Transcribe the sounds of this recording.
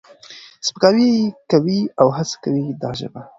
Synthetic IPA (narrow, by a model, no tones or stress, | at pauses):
spəkɑwiekawiawɦat͡sḁkawid̪ɑʒə̰ba